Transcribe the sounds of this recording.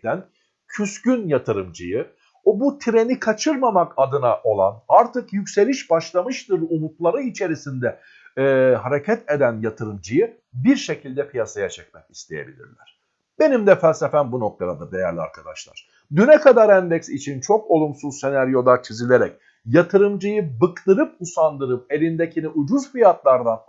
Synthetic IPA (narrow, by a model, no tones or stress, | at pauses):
æn | cʰyscynjat̪ʰɯɾɯmd͡ʒɯjɯ | obut̪ʰiɾe̞nikʰat͡ʃʰɯɾmamakad̪ɯnaʔo̞lˠa̰naɾt̪ɯkjycse̞lʲiʃbaʃlˠamɯʃt̪ɯɾumut̪lˠaɾɯit͡ʃʰe̞ɾisind̪ɛ | ɦaɾecʰɛt̪ʰe̞d̪ænjat̪ʰɯɾɯmd͡ʒɯjɯ | biɾʃe̞cʰilʲd̪ɛpʰijasajat͡ʃʰɛc̚mɛkist̪ʰejḛbḭlʲḭɾlʲæ̰ɾ̥ | b̥e̞nimd̪ɛfælʲsefænbuno̞k̚t̪ʰad̪ad̪ɯd̪e̞jæɾlʲia̰ɾkʰad̪a̰ʃlˠa̰ɾ̥ | d̪ynɛkad̪aɾænd̪ɛcsit͡ʃʰint͡ʃʰo̞ko̞lˠumsuzse̞næɾjo̞lˠat͡ʃʰizilʲe̞ɾɛc̚ | jat̪ʰɯɾɯmd͡ʒɯjɯbɯkt̪ɯɾɯp̚usand̪ɯɾɯp̚e̞lʲind̪ecʰiniʔud͡ʒuzfijat̪lˠaɾd̪an